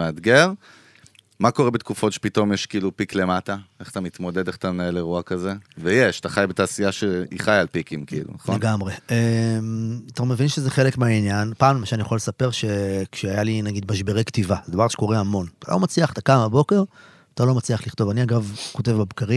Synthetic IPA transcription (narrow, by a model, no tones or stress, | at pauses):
ead̪ɡe̞ʁ | makoʁebet̪̚kufo̞tʃe̥pito̞mjeʃkiiːlupikle̞mataeχat̪amit̪mo̞d̪e̞d̪eχt̪amnaeleʁuakazevejeʃt̪aχajbet̪aːsijaʃeiχajalpikimkiḭlṵnaχlolenɡamʁe̞emat̪amevinʃezeχe̞lekmeainjanpaːmlemaʃanijaχolesape̞ʁʃe̞kʃeajalinaɡid̪maʃbe̞ʁekt̪ivazed̪avaʁʃe̥ko̞ʁeamo̞nta̰lʔo̞̰mat͡sliaχt̪akamabo̞ke̞ʁ | t̪alo̞mat͡sliaχliχt̪o̞vaniaɡavko̞te̞vbebkaʁim